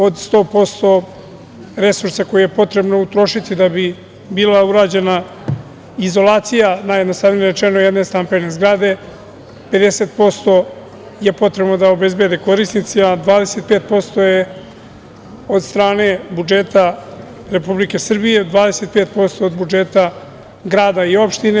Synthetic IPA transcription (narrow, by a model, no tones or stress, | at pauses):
od̪st̪o̞ːpo̞st̪o̞ | ɾe̞suɾsako̞jije̞po̞t̪ɾe̞bnout̪ɾo̞ʃit̪id̪abi | biːlauɾaːd͡ʑe̞na | izo̞laːt̪sijanaːjed̪nost̪avnijeɾet͡ʃenojed̪ne̞st̪ampe̞ne̞zɡɾad̪e̞ | pe̞d̪e̞se̞ːt̪̚po̞st̪o̞ | je̞po̞t̪ɾe̞bnod̪ao̞be̞zbe̞d̪eko̞ɾisnit̪siad̪ʋaːd̪e̞se̞t̪̚peːt̪̚po̞st̪o̞je | od̪st̪ɾaːne̞bud͡ʒeːt̪a | ɾe̞publike̞sr̩bije̞d̪vaːd̪ese̞t̪̚pe̞ːt̪̚po̞st̪o̞ːd̪bud͡ʒet̪a | ɡɾaːd̪aio̞pʃt̪ine